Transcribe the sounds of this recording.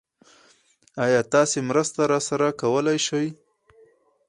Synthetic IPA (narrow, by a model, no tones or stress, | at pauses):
ɑjɑt̪ɑsemɾəst̪aɾɑsaɾakawəlajʃaj